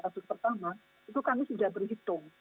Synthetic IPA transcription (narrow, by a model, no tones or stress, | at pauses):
kasʊspərt̪ama | it̪ukamisudahbərɦit̪ʊŋ